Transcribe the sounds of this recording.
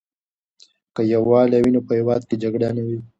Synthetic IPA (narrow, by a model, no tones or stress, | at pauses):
kəjawwɑːlawinopəhewɑːd̪̚ked͡ʒaɡɽanawi